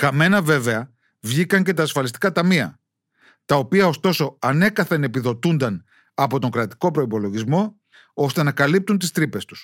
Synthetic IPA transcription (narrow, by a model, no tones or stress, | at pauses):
kɐme̞nɐve̞ve̞ɐ | vʝikɐɲce̞t̪ɐːsfɐlist̪i̥kɐt̪ɐmiɐ̰ | t̪ɐo̞piɐo̞st̪o̞so̞ɐne̞kɐθɐne̞piðo̞t̪und̪ɐn | ɐpo̞t̪o̞ŋɡɾɐt̪i̥ko̞pɾo̞ipo̞lo̞ʝizmo̞ | o̞st̪e̞nɐkɐlip̚t̪unt̪ist̪ɾipe̞st̪u̥s